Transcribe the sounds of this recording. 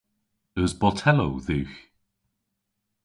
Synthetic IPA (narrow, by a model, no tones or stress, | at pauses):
əzbɔtʰɛlo̰wðʉːx